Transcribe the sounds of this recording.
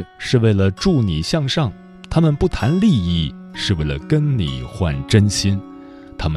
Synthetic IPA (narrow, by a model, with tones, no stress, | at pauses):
ʂɻ̩˥˧we˥˩ɪlə˩ʈ͡ʂu˥˩ni˨˩ɕjɑ˥˧ŋʂɑ˥˩ŋ | t̪ʰa˥mə˨npu˥˩t̪ʰa˧˥nli˥˧i˥˩ | ʂɻ̩˥˧we˥˩ɪlə̰˩kə˥nnḭ˨˩xwa̰˥˩nʈ͡ʂə˥nɕi˥n | t̪ʰa˥mə˨